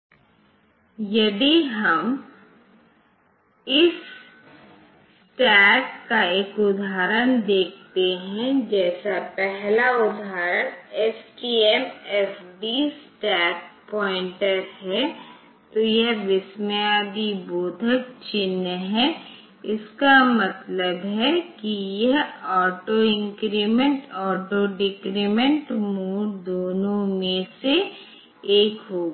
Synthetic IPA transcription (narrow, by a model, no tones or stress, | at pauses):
jɐd̪iɦɐm | ɪs | ʈɛːkkaeːkʊd̪ʱaːɾəñd̪eːk̚ʰt̪eɦɛ̃d͡ʒɛːsapɛɦlaʊd̪ʱaːɾəneːskiemeːfɖisʈɛːk̚pɔːɪ̃ɳʈəɾɦɛ | t̪ojɛɦʋɪsməjaːd̪iboːd̪ʱək̚t͡ʃɪnːəɦɛ | ɪskamɐt̪ləbɦɛkijɐɦɔːʈoɪ̃ŋkɾimə̃ɳʈɔːʈoɖɪkɾimə̃ɳʈmuːld̪oːnõmẽse | eːkɦoːɡa